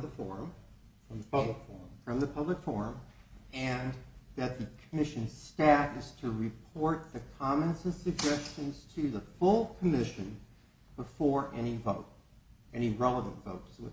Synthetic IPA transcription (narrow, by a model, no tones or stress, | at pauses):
ðəfɔɹ̃m | fɹʌ̃mðəpʰʌbləkfɔɹfɹʌ̃mðɨpʰʌbləkfɔɹɨ̃mɨ̃nðɨt̪̚ðɨkʰəmɪʃɨ̃nz̥stæfɨz̥tʰɨɹɨpʰɔɹt̪̚ðɨkʰɑmɨ̃nsɨ̃v̥sɨɡ̚d͡ʒɛst͡ʃɨ̃nz̥tʰɨðəfʊlˠkʰəmɪʃɨ̃n | b̥əfɔɹʔɛñivoʊɾ̚ | ɛɾ̃iɹɛlˠəvɨ̃ntv̥oʊɾɨzwɨ